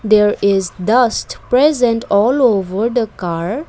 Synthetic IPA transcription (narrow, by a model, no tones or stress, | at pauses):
d̪eːɾɪzd̪ʌsʈpɾezə̃ɳʈɔːloːʋəɾd̪əkaːɾ